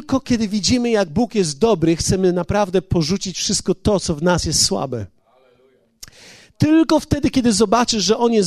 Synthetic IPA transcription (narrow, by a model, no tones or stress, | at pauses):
kɔkʲɛd̪ɘvʲid͡ʑimɘjaɡ̚bukjɛz̬t̪̚d̪ɔbɾɘxt̪sɛmɘnapɾavd̪ɛpɔʐut͡ɕit͡ɕfʂɘst̪̚kɔt̪ɔt̪sɔvnasjɛst̪swa̰bɛ̰ | t̪ɘlkɔft̪ɛd̪ɘkʲɛd̪ɘzɔbat͡ʂɘʂʐɛʔɔnʲjɛz